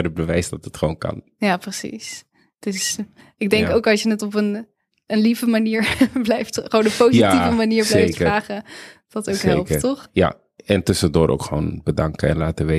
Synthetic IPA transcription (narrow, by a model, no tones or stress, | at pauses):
əbəʋɛjsdɑtətχəʋownkɑ̰n | jaːprəsḭs | d̥əs | ɪɡ̚dɛŋkowkɑlˠsjənətɔpən | ənlivəmaniːɹblɛjftχəoːnənpowziavəmaniːɹblejjkəaːχədɑtowkɦeɛlˠpkətɔχja̰ | ɛntɵsəndʊːɾʔo̰wkχəʋo̰ːnbədɑŋkəɛ̰nlaːtəʋe